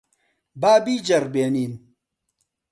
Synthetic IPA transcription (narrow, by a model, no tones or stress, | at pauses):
baːbiːd͡ʒɐɾbeːniːn